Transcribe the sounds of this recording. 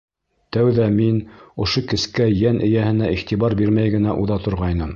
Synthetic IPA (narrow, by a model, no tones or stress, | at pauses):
t̪æwðæminŏʃokɘ̆skæjænʔɘ̆jæhɘ̆næʔiχt̪iβɑɾbiɾmæjɡɘ̆næʔuðɑt̪ŏɾʁɑjnɤm